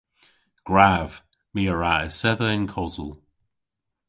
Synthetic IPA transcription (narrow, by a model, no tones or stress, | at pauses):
ɡ̥ɹav̥ | miːəɹaəsɛðəɪnkʰɔzəlˠ